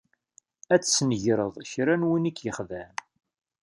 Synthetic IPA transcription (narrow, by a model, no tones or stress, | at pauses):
æt͡sːsnəʝɾəðˤçɾænwinikːjəχðæm